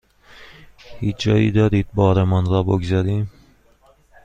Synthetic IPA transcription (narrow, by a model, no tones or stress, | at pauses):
hiːt͡ʃd͡ʒɒːjḭːd̪ɒːɾiːd̪̚bɒːɾemɒnɾɒːboɡzæɾiːm